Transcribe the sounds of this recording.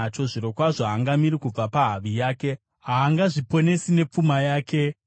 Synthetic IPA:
t͡ʃo̞ʐiɾo̞kwaʐoaŋɡamiɾikub͡vapaɦaʋijaːke̞ | ɦaːŋɡaʐipo̞ne̞sine̞p͡fumajaːke̞

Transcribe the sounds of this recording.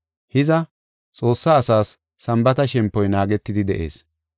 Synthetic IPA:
hɪzɐ | t͡sʼo̞ːsːaːsaːsː | ɐmbɐt̪ɐʃɛmpːɔjnaːɡɛt̪ːɪd̪ɪd̪ɛʔe̞̰ːs

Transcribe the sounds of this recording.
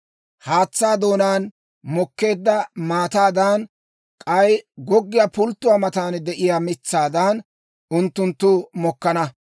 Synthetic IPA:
haːt͡sːaːd̪o̞ːnaːn | mɔkːe̞ːd̪ːɐmaːt̪aːd̪aːn | kʼɐjɡɔɡːɪjaːpʊlt̪ːʊwaːmɐt̪aːnd̪ɛʔɪjaːmɪt͡sːaːd̪aːn | ʊnt̪ːʊnt̪ːʊmɔkːɐnɐ

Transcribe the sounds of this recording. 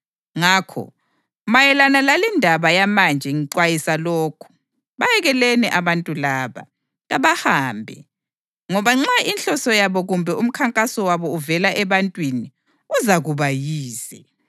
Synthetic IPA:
ŋakʰɔ̰ | majɛlanalalindʱaβajamand͡ʒʱɛŋiǀwajisaloːkʰu̥ | βajɛɣɛlɛnɛʔaβantʼulaːβa̰ | ɣaβahaːmbʱɛ̰ | ŋɔβaŋ͡ǁainɬɔsɔjaβɔɣumbʱɛum̩kʰaŋkʼasɔwaβɔuvɛlaʔɛβantʼwini | uzaɣuβajiːsɛ

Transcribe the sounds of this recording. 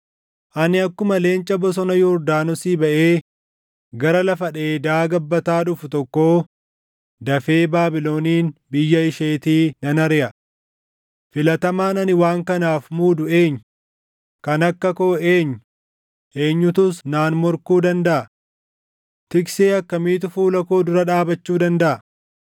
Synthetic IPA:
ʔɐnɪɐkːʊmɐle̞ːnt͡ʃʼɐbɔs̬ɔnɐjɔɾd̪aːnɔsiːbɐʔeː | ɡɐɾɐlɐfɐᶑe̞ːd̪aːɡɐbːɐt̪aːᶑʊfʊt̪ɔkːo̞ː | d̪ɐfe̞ːbaːbɪlo̞ːniːnbɪjːɐɪʃeːt̪iːnɐnɐɾɪjɐ | fɪlɐt̪ɐmaːnɐnɪwaːŋkɐnaːfmuːd̪ʊe̞ːɲː | kɐnɐkːɐkoːeːɲːʊ | ʔe̞ːɲːʊt̪ʊsnaːnmɔɾkuːd̪ɐnd̪ɐʔɐ | t̪ɪkseːɐkːɐmiːt̪̬ʊfuːlɐkoːd̪ʊɾɐᶑaːbɐt͡ʃːuːd̪ɐnd̪ɐʔɐ

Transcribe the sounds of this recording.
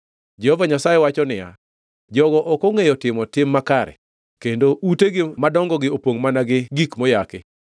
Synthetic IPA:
d͡ʒɛhɔvaɲasajewat͡ʃɔnɪja̰ | d͡ʒɔɡɔʔɔkoŋejɔtɪmɔtɪmːakaɾɛ̰ | kendoʔuteɡɪmadɔŋɡɔɡɪopwoŋmanaɡɪɡikmɔjake

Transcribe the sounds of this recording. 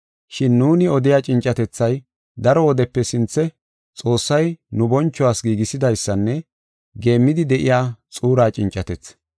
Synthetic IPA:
ʃɪnːuːnɪɔd̪ɪjaːt͡ʃʼɪnt͡ʃʼːɐt̪ɛt͡sːɐj | d̪ɐɾɔwɔd̪ɛpːɛsɪnt͡sːɛ | t͡sʼo̞ːsːɐjnʊbɔnt͡ʃːɔwaːsɡiːɡɪsɪd̪ɐjsːɐnːɛ | ɡe̞ːmːɪd̪ɪd̪ɛʔɪjaːt͡sʼuːɾaːt͡ʃʼɪnt͡ʃʼːɐt̪ɛt͡sː

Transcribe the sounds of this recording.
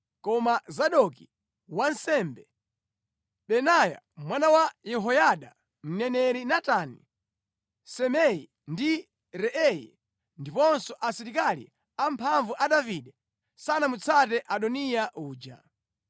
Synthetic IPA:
kɔmazaɗɔki | wansɛmbɛ | ɓɛnaja̰ | mwanawajɛɦɔjaɗa | m̩nɛnɛɾinatanḭ | sɛmɛjḭ | ndi | ɾɛʔɛjḭ | ndipɔnsɔʔasiɾikalḭ | ampʰaɱvuʔaɗaviɗɛ | sanamut͡sʰatɛʔaɗɔnijaʔuːd͡ʒa̰

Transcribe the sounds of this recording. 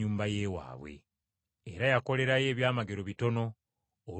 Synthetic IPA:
uːmbaje̞ːwa̰ːβwḛː | ɾajako̞le̞ɾaje̞ːβjaːmaɡe̞ɾo̞βito̞no̞ː

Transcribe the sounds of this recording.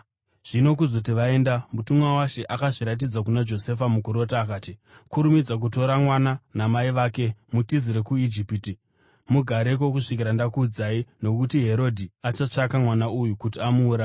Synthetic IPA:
ʐ̥ino̞kuzo̞tiʋae̞ːndamutumwawaʃe̞ʔakaʐiɾat̬id͡zakunad͡ʒo̞se̞famukuɾo̞taːkaːti | kuɾumid͡zak̬uto̞ɾamwananamaiʋaːke̞mutiziɾekuid͡ʒipti | muɡʱaɾe̞k̬o̞kuʂik̬iɾandakuːd͡zaino̞kutiɦe̞ɾo̞dʱiat͡ʃat͡ʂakamwanaujukut̬iamuːɾa

